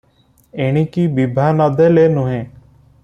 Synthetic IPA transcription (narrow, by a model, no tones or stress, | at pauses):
eːɽ̃iːkiːbibʱaːnɔd̪eleːnũɦẽː